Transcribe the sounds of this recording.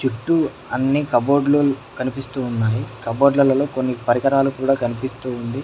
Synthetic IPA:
t͡ʃuʈːu | ɐnːikɐbo̞ːɖlulukɐnipist̪uːunːaːjikɐboːɖlɐlɐlo̞ːkonːipɐɾikɐɾaːlukuːɽaːkɐnipist̪uːnd̪i

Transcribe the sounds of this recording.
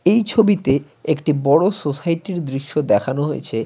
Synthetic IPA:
ejt͡ɕʰobit̪e | ekʈibɔɽososajʈiɾd̪ɾiʃːod̪ɛkʰanoɦojḛt͡ɕʰe

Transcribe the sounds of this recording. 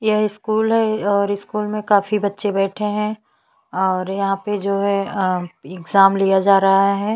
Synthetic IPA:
jeɦɪskuːlɦɛɔːɾɪskuːlmẽkaːfibɐtːʃebɛːʈʰeɦɛ̃ː | ɔːɾjɐɦãped͡ʒoːɦɛ | ɪɡzaːmlijad͡ʒaːɾɐɦaɦɛː

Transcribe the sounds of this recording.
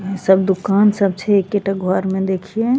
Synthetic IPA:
səb̚d̪ʊkaːnsəb̚t͡ʃʰeekːeʈəɡʱɔɾmẽd̪eːkʰie

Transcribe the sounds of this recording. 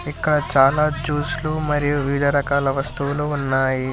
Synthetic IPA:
ikːɐɽɐt͡ʃaːlaːd͡ʒuːslumɐɾijuʋid̪ʱɐɾɐkaːlɐʋɐst̪uʋuluunːaːji

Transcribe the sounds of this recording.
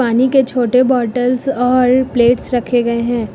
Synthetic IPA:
aːniket͡ʃʰoːʈebɔːʈəlsɔːɾpleːʈsɾɐkʰeɡɐeɦɛ̃ː

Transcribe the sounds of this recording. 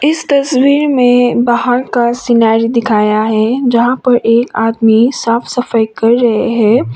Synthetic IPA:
ɪst̪ɐswiːɾmẽbaːɦəɾkasɪnaːɾid̪ɪkʰaːjaɦɛd͡ʒɐɦãpɐɾʔeːkaːd̪misaːfsɐfəjkɐɾːɐɦḛɦɛ̃ː

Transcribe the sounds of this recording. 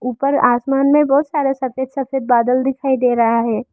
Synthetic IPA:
uːpəɾaːsmaːnmẽbɔːʊt̪saːɾesɐfeːd̪sɐfʰeːd̪̚baːd̪əld̪ɪkʰaːid̪eːɾɐɦaɦɛː

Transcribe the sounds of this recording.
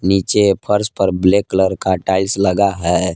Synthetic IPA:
niːt͡ʃepʰəɾspəɾbleːkləɾkaʈaːɪlsləɡaɦɛ

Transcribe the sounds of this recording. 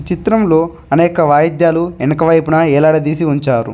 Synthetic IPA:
t͡ʃit̪ɾɐmlo̞ː | ɐnɛːkɐʋaːjɐd̪jaːluɛnːɐkɐʋɐjpunɐɛːlaːɽɐd̪iːsiuɲt͡ʃaːɾṵ

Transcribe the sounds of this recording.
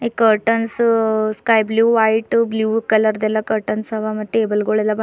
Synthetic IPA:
ikɐɾʈənsskajbljuːʋajʈbljuːkɐlɐɾd̪ɛlːakɐɾʈənsɐʋamɐt̪ːeːbəlɡoɭɛlːab

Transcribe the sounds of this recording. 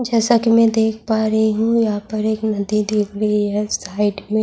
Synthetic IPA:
d͡ʒɛːsakimɛ̃d̪eːkʰpaːɾɐɦiɦũjɐɦãpɐɾeːknɐd̪id̪eːkʰɾɐɦiɦɛːsaːɪɖmẽ

